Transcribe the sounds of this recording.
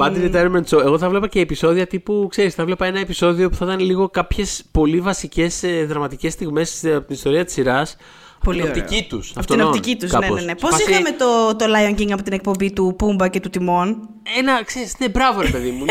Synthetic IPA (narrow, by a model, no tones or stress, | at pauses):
pɐd̪init̪ɐɾment͡soe̞ɣo̞θɐvle̞pɐce̞ːpiso̞ðiɐt̪ipukse̞ɾisθɐvlepɐe̞nɐe̞piso̞ðio̞pu̥θɐt̪ɐnliɣo̞kɐpçe̞spo̞livɐsice̞sðɾɐmɐt̪ice̞st̪iɣme̞sɐpot̪inist̪o̞ɾiɐt̪i̥siɾɐs | ɐp̪inot̪ipcit̪usɐpoinot̪icit̪usɐneonenespo̞sixɐme̞t̪ot̪olɐjoɲɟiŋɐpo̞t̪inek̚po̞mbit̪upumbɐce̞t̪ut̪imo̞n | e̞nɐkse̞ɾisine̞bɾɐvoɾe̞pe̞ðimu